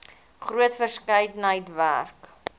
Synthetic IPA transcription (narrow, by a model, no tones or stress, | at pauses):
χruətfərskəjdənɦəjtvæ̰rk